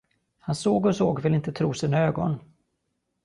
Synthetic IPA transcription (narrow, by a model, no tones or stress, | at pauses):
hansoːɡɔsoːɡvɪlːɪnt̪ət̪ʰɾuːsiːnaøːɡɔ̰n